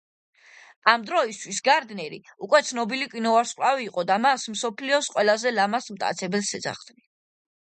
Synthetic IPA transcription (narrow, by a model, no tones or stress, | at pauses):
amd̪ɾɔist̪ʰwisɡaɾd̪nɛɾḭukʼwɛt̪sʰnɔbilikʼinɔvaɾsχʼlaviːqʼɔd̪amasmsɔpʰliɔsqʼwɛlazɛlamasmt̪ʼa̰t̪sʰɛbɛlsɛd̪za̰χd̪̥ni